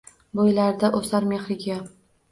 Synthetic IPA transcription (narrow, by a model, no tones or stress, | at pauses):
bojlaɾd̪aʔosaɾme̞χɾɪɡʲa